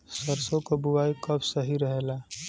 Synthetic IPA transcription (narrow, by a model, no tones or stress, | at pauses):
səɾsõkobʊwaːikɐbsəɦiɾɐɦelaː